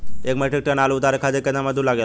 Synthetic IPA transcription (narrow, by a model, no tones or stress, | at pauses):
ekməʈʰekʈənalout̪aɾekʰad͡zekenaməd̪ʱːulaɡel